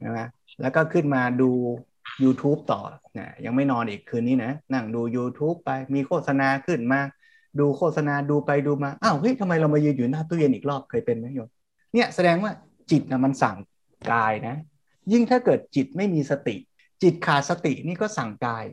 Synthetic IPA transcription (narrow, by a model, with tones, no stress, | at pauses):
a˦˥˩ma˦˥ | lɛ̰ː˦˥wkɔː˥˩kʰɯ˥˩nmaː˧duː˧ | juː˧t̪ʰuː˦˥p̚t̪ɔ̰ː˨˩na̰˧˩ja˧ŋma˥˩jnɔː˧nʔiː˨˩kʰːɯː˧nːiː˦˥na˦˥na˥˩ŋduː˧juː˧t̪ʰuː˦˥pːa˧jmiː˧kʰoː˥˩t̪̚sa˧naː˧kʰɯ˥˩nmaː˥˧˩k̚ | duː˧kʰoː˥˩t̪̚sa˧naː˧duː˧pa˧jduː˧maː˧ʔa˧˩wʔɤ˦˥˩jt̪ʰa˧ma˧jɾa˧wma˧jɯː˧njuː˨˩˦naː˥˩t̪u˥˩˨je˧nʔiː˨˩k̚ɾɔː˥˩p̚kʰɤː˧jpe˧nma˦˥jo˧m | ni˥˩ɐsa˧dɛː˧ŋwaː˥˩ | t͡ɕi˨˩t̪̚ʔa˨˩ma˧nsa˨˩ŋ | kaː˧jna˦˥ | ji˥˩ŋt̪ʰaː˥˩kɤː˨˩t̪̚t͡ɕi˨˩t̪̚ma˥˩jmiː˧sa˧t̪ḭ˨˩ʔ | t͡ɕi˨˩t̪̚kʰaː˨˩t̪̚sa˧t̪ḭ˨˩ʔniː˥˩kɔː˥˩sa˨˩ŋkaː˧j